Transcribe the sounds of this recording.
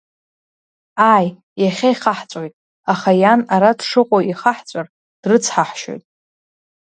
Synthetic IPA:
aj | jaχʲaiχaħt͡sʷʼojtʼ | aχajanaɾadʂɨqʷʼoʔiχaħt͡sʷʼar | d̥rɨt͡sʰħaħʃo̰jtʼ

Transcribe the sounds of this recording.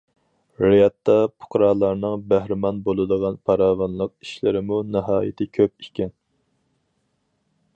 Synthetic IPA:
ɾɪjɑt̪ːɑpʰʊ̥qʰɾɑːlˠɑɾnɨŋbæhɾɪmɑnbolˠɨd̪əʁɑnpʰɑɾɑːwɑnlˠəq̚i̥ʃlɪɾɪmunɨɦɑːjɪ̰t̪ʰɪkʲʰøp̚ikʲɛn

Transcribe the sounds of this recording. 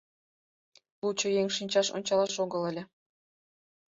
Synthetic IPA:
lˠut͡ɕɤ̆jeŋʲʂinʲt͡ɕɑʂo̰nʲt͡ɕɑlˠɑʂoɡɤ̆lˠɤ̆lʲɘ̆

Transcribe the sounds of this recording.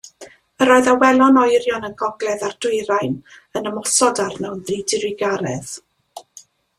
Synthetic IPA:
əɾɔːɨðawɛlˠɔnɔjrjɔnəɡɔɡlˠɛðard̥ʊɨɾajn | ənəmɔsɔdarnɛwnðidɪrɪɡaɾɛð

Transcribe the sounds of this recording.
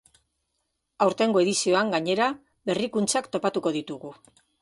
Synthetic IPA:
awɾt̪e̞ŋɡo̞e̞ðisio̞aŋɡaɲe̞ɾa | βe̞rikunt͡sakt̪o̞pat̪uko̞ð̞it̪uɣu

